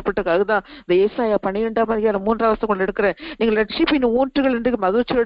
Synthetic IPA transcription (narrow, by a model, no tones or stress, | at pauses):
ɐpːɐʈːɯkːaːɣɐt̪ãːɪnd̪ɐeːsaːjaːpɐɳɪɾɛɳɖaːmaːðɾɪjaːlɐ̃muːndraːʋɐsɐ̃kɔɳɖɛɽɯkːɐɾẽːniːɡɐlɐʈ̚ʂipɪnːɯuːnʈrɯɣɐɭɛndrɯkːɯmɐðut͡ʃːɛ